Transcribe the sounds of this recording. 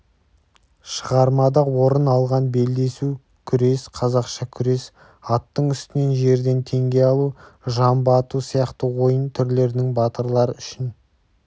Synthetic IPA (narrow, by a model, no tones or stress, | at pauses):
ʃəʁɑɾmɑd̪ɑwo̞ɾənɑlˠʁɑnbe̞ld̪e̞su | kʲʰʏɾe̞sqʰɑzɑqʃɑkʲʰʏɾe̞s | ɑt̪ːəɴʏst̪ɪne̞nʒe̞ɾd̪e̞nt̪ʰe̞ŋɡʲe̞ɑlˠuʒɑmbɑt̪usijɑqt̪əwo̞jənt̪ʰʏɾle̞ɾɪnɪŋbɑt̪əɾlˠɑɾəʏʃɪn